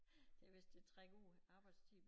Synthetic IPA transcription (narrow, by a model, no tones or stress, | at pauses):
d̥æʋesd̥e̝t͡sʰʁɛɡ̥o̝̰ːɑ̈ːb̥ɑ̈ɪd̥st͡sʰḭːb̥